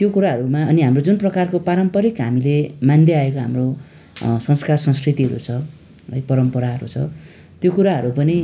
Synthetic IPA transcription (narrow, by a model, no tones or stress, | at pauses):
t̪jokuɾaɦʌɾumaʌniɦamrod͡zunprʌkarkopaɾʌmpʌɾikɦamilemand̪eaekoɦamro | sʌnskarsʌ̃nskrit̪iɦʌɾṵt͡sʰʌ | ʌ̰jpʌɾʌmpʌɾaɦʌɾṵt͡sʰʌ̰ | t̪jokuɾaɦʌɾupʌni